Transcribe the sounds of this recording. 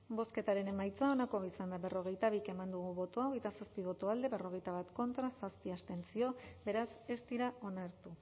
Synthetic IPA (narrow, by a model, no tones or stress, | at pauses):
bo̞ske̞t̪aɾe̞ne̞majt͡sao̞nako̞isand̪aβe̞ro̞ɣ̞e̞jt̪aβ̞ike̞mand̪uɣ̞uβo̞t̪oaoɣjt̪asaspiβ̞o̞t̪oald̪e̞βe̞ro̞ɣ̞e̞jt̪aβat̪ko̞nt̪ɾasaspiast̪e̞nt͡sio̞be̞ɾase̞st̪iɾao̞naɾt̪u